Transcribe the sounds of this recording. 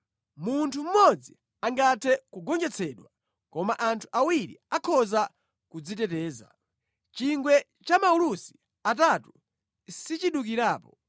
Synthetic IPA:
muntʰum̩mɔd͡zi | aŋɡatʰɛkuɡɔnd͡ʒɛt͡sʰɛɗwa | kɔmaʔantʰu̥ʔawiɾḭakʰɔza | kud͡zitɛtɛːza̰ | t͡ʃiŋɡwɛ | t͡ʃamaulusi̥ | atatu | sit͡ʃiɗuk̬iɾaːpɔ

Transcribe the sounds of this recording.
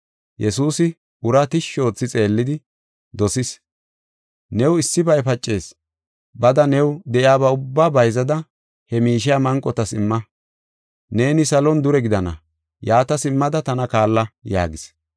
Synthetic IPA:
jɛsuːsɪ | ʊɾɐt̪ɪʃːo̞ːt͡sːɪt͡sʼe̞ːlːɪd̪ɪ | d̪ɔsɪs | nɛwɪsːɪbɐjpɐt͡ʃʼːe̞ːs | bɐd̪ɐnɛwd̪ɛʔɪaːbaʊbːaːbɐjzɐd̪ɐ | hɛmiːʃɪjamɐŋkʼɔt̪ɐsɪmːɐ | ne̞ːnɪsɐlɔnd̪ʊɾɛɡɪd̪ɐnɐ̰ | jaːt̪ɐsɪmːɐd̪ɐt̪ɐnɐkaːlːɐja̰ːɡɪs

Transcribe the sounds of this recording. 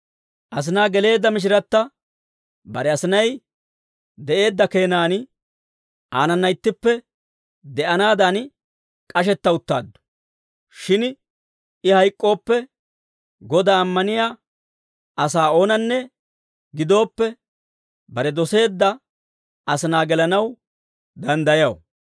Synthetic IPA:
ʔɐs̬ɪnaːɡɛle̞ːd̪ːɐmɪʃ̬ɪɾɐt̪ːɐ | bɐɾɛɐsɪnɐj | d̪ɛʔe̞ːd̪ːɐke̞ːnaːn | aːnɐnːɐjɪt̪ːɪpːɛ | d̪ɛʔɐnaːd̪an | kʼɐʃ̬ɛt̪ːɐʊt̪ːa̰ːd̪ːɔ̥ | ʃɪn | ɪhɐjkʼːo̞ːpːɛ | ɡɔd̪aːmːɐnɪjaː | ɐsaːo̞ːnɐnːɛ | ɡɪd̪o̞ːpːɛ | bɐɾɛd̪ɔse̞ːd̪ːɐ | ɐsɪnaːɡɛlɐnɐw | d̪ɐnd̪ɐjɐw

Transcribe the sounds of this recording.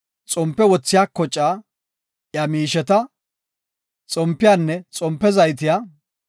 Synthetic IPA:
t͡sʼɔmpːɛwɔt͡sːɪjaːkːɔt͡ʃʼːaː | jɐmiːʃɛt̪ɐ | t͡sʼɔmpːɪjaːnːɛt͡sʼɔmpːɛzɐjt̪̬ɪja

